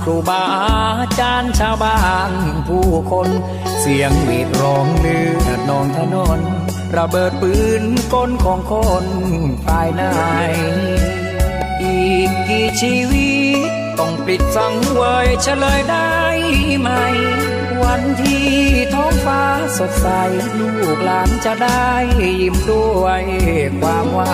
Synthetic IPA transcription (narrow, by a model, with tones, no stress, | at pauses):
kʰɾuː˧˩baː˧ | t͡ɕaː˧nt͡ɕʰaː˧wbaː˧˩npʰuː˧˩kʰo˧n | si˨˦əŋliː˨˩k̚ɾɔː˨˦ŋlɯː˧˦a˨˩nɔː˧˩ŋt̪ʰa˧˩jnɔ˧˩n | ɾa˧bɤː˨˩t̪̚pɯː˧nko˧˥nkʰɔː˨˦ŋkʰo˧n | paː˧jna˧˩j | ʔi˨˧˩n̚kiː˧˩t͡ɕʰiː˧wi˧˥t | t̪ɔ˧˩ŋpi˨˩t̪̚sa˨˦ŋu˧ə˧jt͡ɕʰa˧lɤː˧jda˧˥˩jma˧j | wa˧˥nt̪ʰiː˧t̪ʰɔ˧˥˩ŋfaː˧˥ | so˨˩t̪̚sa˧j | lʰuː˧˩k̚laː˨˦nt͡ɕa˧ʔda˧˩jːi˨˩mdu˧˩˧jhk̚kʰwaː˧mwaː˧˥